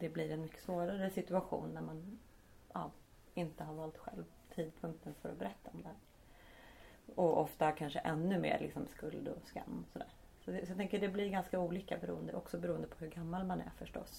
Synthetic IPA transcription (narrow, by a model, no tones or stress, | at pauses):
d̪̥ɛblɪɾɛnmʏkːə̥svoːɾaɾəsɪt̪ɵaɧṵːnːæɾman | ʔɑː | ɪnt̪əɦaɾvɑːlt̪ɧɛ̰lv | t̪ʰiːd̪̚pʰɵŋk̚t̪ənfœɾɔbɛɾɛt̪ːaɔmd̪ɛhæːɾ | ɔʔɔft̪akʰanʂəʔɛnːɵmḛːɾlɪ̰ksɔmskɵld̪ɔska̰mːɔsɔd̪æːɾ | sɔt̪ɛsɔjɑɡt̪ɛŋkəɖɛblɪɾɡanskauːliːkabɛɾṵːənd̪əʔɔksɔbɛɾuːənd̪əpʰɔhɵɾɡamːalmanæ̰ɾfœʂʈɔ̰s